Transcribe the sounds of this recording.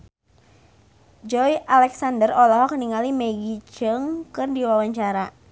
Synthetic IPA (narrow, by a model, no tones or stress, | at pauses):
d͡ʒɔjalɛksandərɔlɔɦɔkəniŋalimɛɡit͡ʃəŋkɨrdiwawaɲt͡ʃaɾa